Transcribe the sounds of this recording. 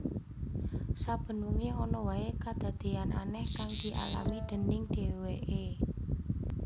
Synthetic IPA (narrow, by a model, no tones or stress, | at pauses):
sab̥ə̤nuŋeɔnɔwaekad̪̥a̤d̪̥e̤ana̰nɛhkaŋd̪̥i̤ʔa̰la̰wid̪̥ə̤nɪŋd̪̥e̤weʔe